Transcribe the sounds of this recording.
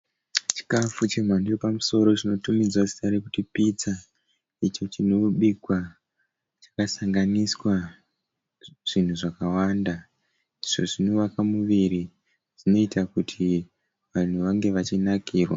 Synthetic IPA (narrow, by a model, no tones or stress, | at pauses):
t͡ʃi̥kafut͡ʃemwandiopamuso̞ɾo̞t͡ʃino̞tumid͡zwasi̥saɾekutipit͡sa | it͡ʃot͡ʃinoɓikwa | t͡ʃḁkasaŋɡaniswa | ʐ̥in̤uʐakawanda | iʐo̞ʐinoʋakamuʋiɾi | ʐino̞itakutʰi | ʋan̤uʋaŋɡe̞ʋat͡ʃinakiːrwa